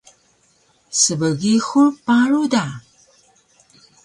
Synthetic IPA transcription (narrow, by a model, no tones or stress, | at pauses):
səbəɣixuɹpaɾuda